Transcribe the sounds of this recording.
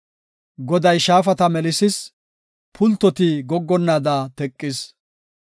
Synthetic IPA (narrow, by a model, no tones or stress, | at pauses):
ɡɔd̪ɐjʃaːfɐt̪ɐmɛlɪsɪs | pʰʊlt̪ːɔt̪ɪɡɔɡːɔnːaːd̪aːt̪ɛkʼːɪs